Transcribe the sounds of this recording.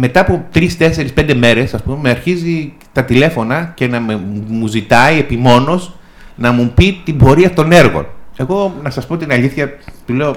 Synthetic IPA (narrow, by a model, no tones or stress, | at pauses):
me̞t̪ɐːpot̪ɾist̪e̞se̞ɾispe̞nd̪e̞me̞ɾe̞sɐspume̞meɐɾçizi | t̪ɐt̪ile̞fo̞nɐce̞nɐmmuzit̪ɐie̞pimo̞no̞s | nɐmupit̪imbo̞ɾiɐft̪o̞ne̞ɾɣo̞̰ne̞ɣo̞nɐsɐspo̞t̪inɐʎiθçɐt̪ule̞o